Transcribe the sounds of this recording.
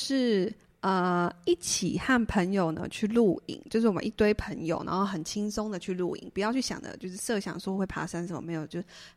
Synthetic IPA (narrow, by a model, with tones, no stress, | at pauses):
ʂɻ̩˥˩ | ə˧i˥˩t͡ɕʰi˨˩xa˥˩npʰə˧˥ŋjo˨˩ʊnə̰˩˦t͡ɕʰy˥˧lu˥˩ḭ˨˦ŋt͡ɕjo˥˧ʊʂɻ̩˥˩wɔ˨˩m̰˦n˥i˥˩t̪we˥ɪpʰə˧˥ŋjo̰˨ʊna̰˧˦ŋxo˥˩ʊxə˨˩nt͡ɕʰi˥ŋsʊ˥ŋd̪ə˨t͡ɕʰy˥˧lu˥˩ḭ˨˩ŋpu˨˩jɑ˥˧ʊt͡ɕʰy˥˩ɕjɑ̰˨˩ŋd̪ə̰˦t͡ɕjo˥˧ʊʂɻ̩˥˧sɤ˥˧ɕjɑ̰˨˩ŋsɔ˥˧˥xwe˥˩ɪpʰa̰˧˥ʂa˥n̬ə˧˥˦mə̰˧me˧˥ɪjo˨˩ʊt͡ɕjo˥˧ʊ